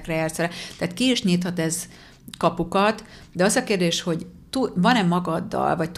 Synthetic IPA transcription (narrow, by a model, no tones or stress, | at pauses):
krɛɛːrt̪sɛlɛt̪ɛaːt̪kiːʃɲiːt̪hɒt̪ɛz | kɒpukɒt̪d̪ɛɒzɒkeːrd̪eːʃho̞ɟt̪uvɒnɛmːɒɡɒd̪ːɒ̰lvɒc̚t̪